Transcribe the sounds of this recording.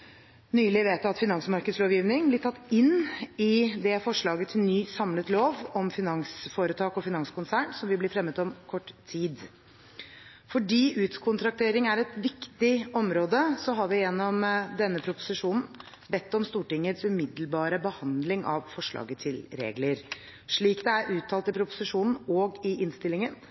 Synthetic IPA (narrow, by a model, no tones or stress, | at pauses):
nyːlɪʋeːt̪ɑt̪fɪnɑŋsmɑɾkəd̪sloːʋjiːʋnɪŋblɪʈʰɑt̪ːɪnːɪd̪ɛfɔʂɭɑːɡət̪ʰɪlnyːsɑmlət̪loːʋɔmfɪnɑŋsfoːɾət̪ʰɑːkɔfɪnɑŋsəkʊnsæːɳsɔmʋɪblɪfɾɛmːət̪ɔmkʰɔʈːt̪ʰiːd̪ | fɔɖiːʔʉːt̪kʰʊnt̪ʰɾɑk̚t̪ʰeːɾɪŋæɾɛt̪ʋɪkt̪ɪɔmɾoːd̪əsɔɦɑɾʋɪjɛnːɔmd̪ɛnːəpʰɾʊpʊ̥sɪʂuːnn̩ | bɛt̪ːɔmst̪uːʈɪŋːət̪sʉmɪd̪əlbɑːɾəbəhɑnd̪lɪŋʔɑ̰ʋfɔʂɭɑ̰ːɡət̪ʰɪlɾḛːɡləɾ | ʂɭiːkd̪ɛæɾʔʉːt̪ʰːɑːlt̪ɪpʰɾʊpʊ̥sɪʂuːnn̩ɔːɡɪʔɪnst̪ɪlːɪŋən